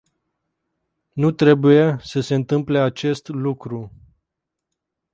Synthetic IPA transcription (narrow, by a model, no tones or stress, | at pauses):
nut̪ɾe̞buje̞səse̞ɨnt̪ɨmple̞at͡ʃe̞st̪lukɾu